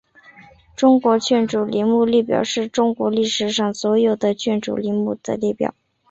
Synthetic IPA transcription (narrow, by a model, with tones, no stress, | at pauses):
ʈ͡ʂʊ˥ŋkwɔ˧˥t͡ɕʰɥɛ˥˩nʈ͡ʂu˨˩li˧˥mu˥˧li˥˩pjɑ̰˨˩ʊʂɻ̩˥˩ʈ͡ʂʊ˥ŋkwɔ˧˥li˥˩ʂɻ̩˨˩ʂɑ˥˩ŋswɔ˧˥jo˨˩ʊd̪ə˦t͡ɕʰɥɛ˥˩nʈ͡ʂṵ˨˩li˧˥mu˥˩d̪̥ə̰˧li˥˩pjɑ̰˨˩˦